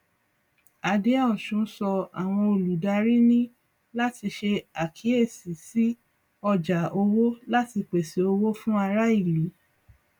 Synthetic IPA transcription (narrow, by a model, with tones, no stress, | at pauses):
a˨de˦a˦ɔ˨ʃũ˨˦sɔ˧a˨w̃ɔ̃˧o˨lu˨da˧ɾi˦nĩ˦ | la˦ti˧ʃe˧a˨kʰi˨˦e˦˨si˨si˦ | ɔ˧d͡ʒa˨o˧wo˦la˦ti˧k͡pe˨si˨˦o˧wo˦fũ˦a˧ɾa˦i˦˨li˨˦